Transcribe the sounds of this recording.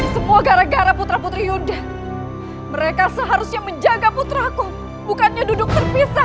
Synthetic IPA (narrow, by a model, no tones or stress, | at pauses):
səmuaɡaɾaɡaɾaput̪ɾaput̪ɾijuda | məɾekasəɦaɾʊsɲaməɲd͡ʒaɡaput̪ɾaku | bukanɲadudʊk̚t̪ərpisa